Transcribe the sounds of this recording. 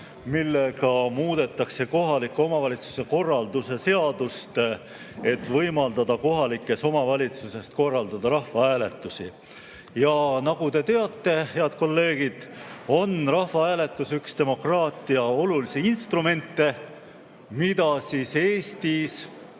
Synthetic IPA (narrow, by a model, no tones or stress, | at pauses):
milːe̞ɡɑmuːd̪̥e̞t̪ːˑɑkse̞ko̞ɦɑlikːˑo̞mɑvɑlʲit̪su̥se̞ko̞rːɑld̪use̞se̞ɑd̪̥ust̪ | e̞t̪ːvɤjmɑld̪̥ɑd̪ɑko̞ɦɑlikːˑe̞so̞mɑvɑlʲit̪suse̞st̪̚ko̞rːɑld̪ɑd̪ɑɾɑhvɑæːle̞t̪ːˑusḭ | jɑnɑɡ̥ut̪e̞t̪e̞ɑt̪ːe̞he̞ɑd̪̥̚ko̞lːe̞ːɡ̥id̪̥o̞nrɑhvɑæːle̞t̪ˑːusykst̪e̞mo̞krɑːt̪ˑiɑo̞lulisiinst̪rume̞nt̪ːe̞ | mid̪̥ɑsiːseːst̪is